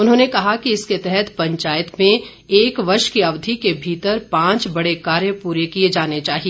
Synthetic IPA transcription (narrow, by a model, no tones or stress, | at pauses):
ʊnɦõːnekɐɦakiɪsket̪ɛɦɛt̪pɐ̃ɲt͡ʃaːɪət̪mẽ | eːkʋɐɾʃkiɐʋd̪ʱikebʱiːt̪əɾpãːt͡ʃbɐɽekaːɾjəpuːɾekied͡ʒaːnet͡ʃaːɦie